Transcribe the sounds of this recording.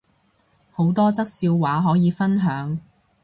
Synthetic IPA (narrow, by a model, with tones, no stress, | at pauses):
ho˨˥wt̪ɔː˥t͡sɐ˥k̚siː˧wwaː˨˥ɦɔː˨˥jiː˨˧fɐ˥nɦœː˨˥ŋ